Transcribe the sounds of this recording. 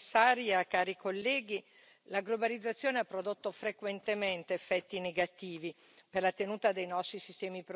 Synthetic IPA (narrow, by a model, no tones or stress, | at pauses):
sːaːɾjakaːɾikʰolːɛːɡi | laɡlobalid̪zːat̪sːjoːneapːɾod̪ot̪ːofɾekwent̪ement̪eːfːɛt̪ːineɡat̪iːvi | perlat̪enuːt̪ad̪ejnɔst̪ɾisist̪ɛːmipɾ